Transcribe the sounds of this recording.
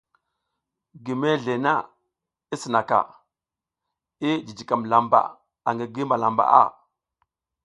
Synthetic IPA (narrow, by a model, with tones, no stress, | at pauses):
ɡi˨me˦ɮe˨na̰˦ | i˦si˨na˨ka̰˨ | i˦d͡ʒi˨d͡ʒi˨ka˨mla˨mba̰˨ | a˨ŋɡi˨ɡi˦mba˨la˨mba̰˨ʔa̰˦˨